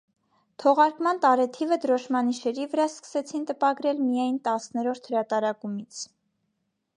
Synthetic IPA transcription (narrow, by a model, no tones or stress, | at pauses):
t̪ʰɔʁɑɾkmɑnt̪ɑɾɛt̪ʰivəd̪əɾɔʃmɑniʃɛɾivəɾɑskə̥sɛt͡sʰint̪əpɑɡɾɛlmijɑjnt̪ɑsnɛɾɔɾt̪ʰhəɾɑt̪ɑɾɑkumit͡sʰ